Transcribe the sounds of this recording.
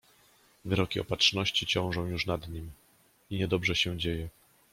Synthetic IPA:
vɘɾɔkʲiɔ̰patʂnɔɕt͡ɕit͡ɕɔ̃w̃ʐɔ̃w̃juʂnad̪ɲim | iɲɛd̪ɔbʐɛɕɛd͡ʑejɛ

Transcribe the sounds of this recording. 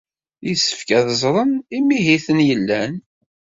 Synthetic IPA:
jisːə̥fkæðəzˤɾˤənimːiɦiθənjəlːæn

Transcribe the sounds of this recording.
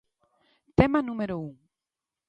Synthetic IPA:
t̪emɐnũmeɾouŋ

